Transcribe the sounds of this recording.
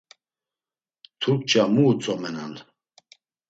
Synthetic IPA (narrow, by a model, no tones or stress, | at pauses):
t̪ʰuk̚t͡ʃʼamuːt͡sʼɔmɛnan